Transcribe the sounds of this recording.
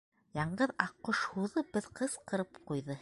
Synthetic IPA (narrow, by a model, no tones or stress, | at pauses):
jɑɴɢɤðɑqːoʃhuðɤbɘðqɤsqɤ̆ɾɤpqujðɤ